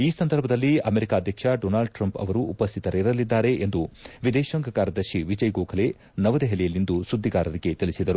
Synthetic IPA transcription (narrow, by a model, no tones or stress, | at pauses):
iːsɐnd̪ɐɾbʱɐd̪ɐlːiɐmeɾikaːɐd̪ʱjɐkʂɐɖoːnaːɭɖʈɾɐmpɐ̰ʋɐɾuːpɐst̪ʰit̪ɐɾeɾɐlːid̪ːaːɾe̞ʔend̪uʋid̪ɛːʃɐŋɡɐkaːɾɐd̪ɐɾʃiʋid͡ʒɐjɡoːkʰɐle̞ | nɐʋɐd̪eɦelijɐlːind̪usud̪ʱːiɡaːɾɐɾiɡe̞t̪ilisid̪ɐɾu